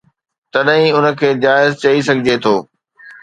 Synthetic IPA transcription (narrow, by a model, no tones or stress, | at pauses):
t̪ɐɗɦĩʊnə̆kʰeːd͡ʑaːɪzt͡ɕɐisɐɡʱɪd͡ʑet̪ʰoː